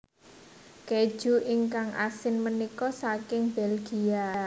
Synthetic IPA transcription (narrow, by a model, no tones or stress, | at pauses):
ke̥ʒ̥ṳʔɪŋkaŋʔa̰sɪnmənikɔsakɪŋbɛlɡ̥ia